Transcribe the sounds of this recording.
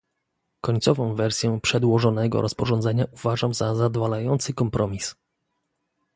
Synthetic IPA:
kɔɲʲt̪sɔvɔ̃w̃vɛɾsʲjɛpʂɛd̪wɔʐɔnɛɡɔ̰ɾʔɔspɔʐɔnd̪zɛɲaʔuvaʐamzazad̪valajɔnt̪sɘkɔmpɾʔɔmʲis

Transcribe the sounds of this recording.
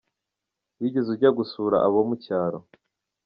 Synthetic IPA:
wiɟezuɾɟaɡusuːɾa̰ʔaβomucaːɾo

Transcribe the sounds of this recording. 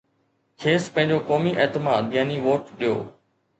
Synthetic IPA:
kʰeːspɐ̃ɦɪ̃ɲd͡ʑoːkoːmiʔɛːt̪ɪmaːd̪jaːniʋoːʈɗijo̰ː

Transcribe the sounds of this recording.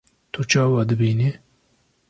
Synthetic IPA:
t̪ʰut͡ʃʰɑːwɑːd̪ɨbiːne

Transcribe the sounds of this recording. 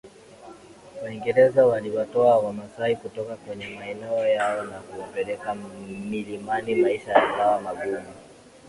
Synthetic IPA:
waiŋɡɛɾɛzawaliwatɔawamasaikutɔkakwɛɲɛmaɛnɛɔjaɔnakupɛlɛkamilimanimaiʃajakawamaɡumi

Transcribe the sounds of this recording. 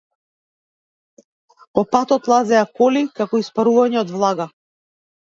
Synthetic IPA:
pɔpat̪ɔt̪lˠazɛakɔlikakɔispaɾuvaɲɛɔd̪vlˠaɡa

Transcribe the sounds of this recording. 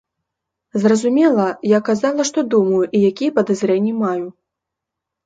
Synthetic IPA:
zrɐzumʲɛlˠɐjakazalˠɐʂt̪ɔd̪umɐjuʔijakʲijɛpɐd̪azɾɛnʲːimaju

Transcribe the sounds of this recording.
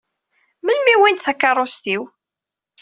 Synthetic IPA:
məlmiwint̪θækːɑrˤːost̪iw

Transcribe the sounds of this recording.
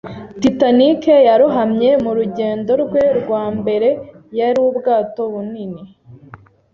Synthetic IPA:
titanikejaɾuɦamɲe̞muɾuɟe̞ːndo̞ɾɡweɾɡwaːmbe̞ɾe̞ | jaɾiwubɡaːto̞βunini

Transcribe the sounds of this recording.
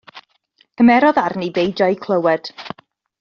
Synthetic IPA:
kʰəmɛɾɔðarnibejd͡ʒajkʰlˠəwɛd̥

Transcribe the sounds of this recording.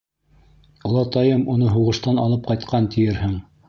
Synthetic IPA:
ŏlˠɑt̪ɑjɤmunɤɦuʁɤ̆ʃt̪ɑnɑlˠɤp̚qɑjt̪̚qɑnt̪ʰɘ̆jɘɾhɘŋ

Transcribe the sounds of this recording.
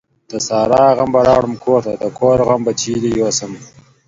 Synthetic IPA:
t̪ɐsɑːɾaːɣambɐɾɑːɽumkʰoːɾt̪ɐd̪ɐkʰoːɾɣambɐt͡ʃiːd̪ijosɐm

